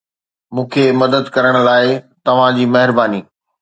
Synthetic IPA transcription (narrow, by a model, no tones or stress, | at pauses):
mũːkʰemɐd̪əd̪kɐɾəɽ̃ʊlaːɪt̪ɐʋ̤ãd͡ʑiːmɐɦɪɾbaːniː